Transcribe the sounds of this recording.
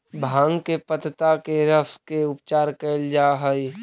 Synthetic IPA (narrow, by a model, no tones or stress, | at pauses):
bʱãːŋɡkepət̪t̪akeɾəskeʊpt͡ʃaːɾkəld͡ʒaːɦəi